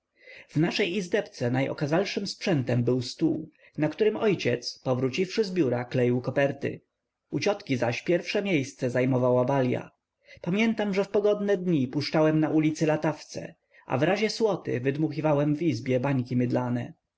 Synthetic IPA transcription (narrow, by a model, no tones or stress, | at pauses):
vnaʂɛjizd̪ɛpt̪sɛnajʔɔ̰kazalʂɘmspʂɛnt̪ɛmbɘwst̪uw | nakt̪uɾɘmɔjt͡ɕɛt̪spɔvɾut͡ɕifʂɘzbʲjuɾaklɛjiwkɔpɛɾt̪ɘ̰ | ut͡ɕɔt̪kʲizaɕpʲjɛɾfʂɛmʲjejst̪sɛzajmɔvawabalʲja̰ | pamʲjɛnt̪amʐɛfpɔɡɔd̪nɛd̪ɲipuʂt͡ʂawɛmnaʔulʲit̪sɘlat̪aft̪sɛ̰ | ʔa̰vɾaʑɛswɔt̪ɘ̰vɘd̪muxʲivawɛmvizbʲjɛbaɲkʲimʲɘd̪lanɛ